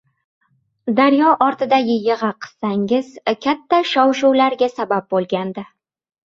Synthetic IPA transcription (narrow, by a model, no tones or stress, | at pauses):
d̪aɾjɒʔɒɾt̪ʰɪd̪ajʲɪjɨʁɑqʰɨ̥z̥saŋɪzkʲʰat̪ʰːaʃɒwʃuwlaɾɡʲasabap̚bolˠɡʲand̪ɪ